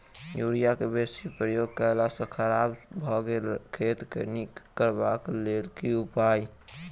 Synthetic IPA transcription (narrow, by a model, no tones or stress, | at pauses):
juːɾijakebesipɾəjoɡ̚kəɦlasə̃kʰəɾabbʱɔɡelkʰet̪kʰənikəɾbaklelkiupai